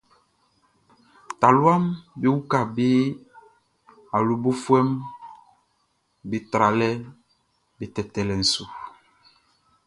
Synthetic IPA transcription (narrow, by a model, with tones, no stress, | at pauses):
ta˨lwa˦mbi˦wu˦ka˨bi˦ | a˨lu˨bo˦fwɛ˦m | bi˨tɾa˨lɛ˦ | bi˨tɛ˨tɛ˨lɛ˨n̩˨su˨